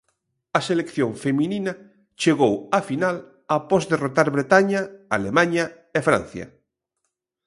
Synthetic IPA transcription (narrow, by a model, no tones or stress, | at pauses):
ɐselekθjoŋfemĩnina | t͡ʃeɣowafinal | apɔzðerot̪aɾβɾet̪aɲaalemaɲa | efɾã̰n̟θjɐ̰